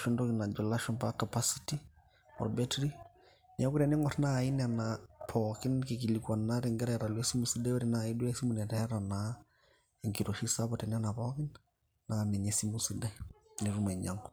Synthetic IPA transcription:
ʃɔndɔ˦kina˨d͡ʒɔ˨laʃɔnpakapasiti˦ | ɔ̰ɾbɛtɾi | na˦ku˦ɾa˨ne˦ŋɔɾnai˦nanapʰɔkɪ˦nke˨ki˨likwa˨naɾiŋɡɛ˦ɾɛɾa˨lwe˦si˦mu˨si˦dɛ˦o˦ɾi˨nai˦dwɛ˦si˦mu˨nɛ˨tɛ˦ɾana | e˨ŋki˨ɾo˨ʃi˦sa˦pɔtɛ˨n˦a˦napɔkɪ˦nː | anɛ˨ɲesi˦musidɛne˨ɾu˦ma˨ɲaŋɡɔ

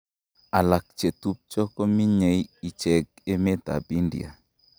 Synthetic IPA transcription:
a˨la˨k̚t͡ʃe˨tu˦p̚t͡ʃɔ˦kɔ˦mi˦ɲe˨ji˨t͡ʃɛ˨k̚e˦me˦ta̰˨bi˦ndḭ˨a̰˨

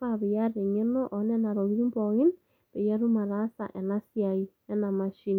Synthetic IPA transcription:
a˦βɪ˨ja˦ɾɪ˨ɲɪ˦nɔ˦ʔɔ˨˦nɛ˦na˨ɾɔ˨ɣi˦ɾi˦mbɔ˨ɣɪ˦n | be˨ja˦ɾu˦ma˨ɾa˦sa̰˨ʔɛ˨na˦sja˨i˨nɛ˦na˨ma˦ʃi˦n

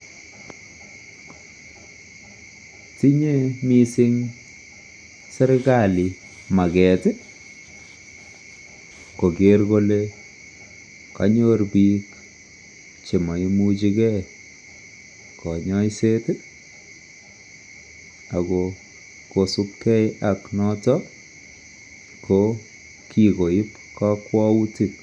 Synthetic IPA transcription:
ti˦ɲe˦mi˦sɪ˦ŋ | sɛ˦ɾe˦ka˦˨li˨ | ma˨kɛ˨tɪ˦ | ko˨ke˨ɾko˦le˦ | ka̰˦ɲo˦rbi˦k | t͡ʃe˨ma˨i˦mu˦t͡ʃikɛ˦ | kɔ˨ɲɔ˦jse˦tɪ˦ | a˨kɔ˨ | ko˨su˦p̚kɛ˦jaknɔ˦tɔ | ko | kiko˨ɪ˦p | ka˦kwɔ˦u˦ti˦k̚

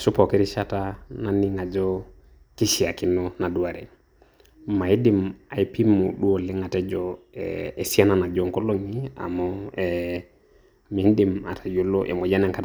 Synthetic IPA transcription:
sʊ˦pɔ˨kɛ˦ɾɪ˦ʃa˦ta˦na˨nɪ˦ŋa˨d͡ʒɔ˦ | ki˦ʃi˨a˨ki˦nɔ˦na˨du˦a˨ɾɛ̰˨ | ma˨i˦dɪ˨ma˨i˦pi˦mu˨ɗu˦o˨lɪ˦ŋa˨tɛ˦d͡ʒɔ˨e˨si˦a˦na˨na˨d͡ʒɔ˨ŋko˦lo˦ŋi˦a̰˨mɔ˦ɛ˨ | mi˨n˦di˨ma˨tʰa˨jo˨˦lo˦ʔḛ˨mo˨ja˦nɛ˨ŋka˦t

